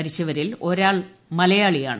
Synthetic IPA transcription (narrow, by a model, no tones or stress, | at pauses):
ɐɾit͡ɕːɐʋɐɾilo̞ɾaːɭ | mɐlɐjaːɭija̰ːɳ